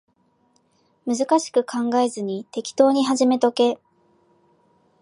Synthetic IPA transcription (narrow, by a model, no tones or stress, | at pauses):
mɯ̟zɨkaɕi̥kɯ̟kʰãŋɡae̞zɨɲ̟it̪e̞kʲi̥t̪o̞ːɲ̟iɦaʑime̞t̪o̞ke̞